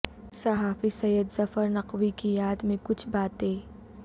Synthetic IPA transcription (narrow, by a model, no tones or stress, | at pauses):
sɐɦaːfisɐjəd̪zɐfəɾnɐqwikijaːd̪mẽkʊt͡ʃʰbaːt̪ẽː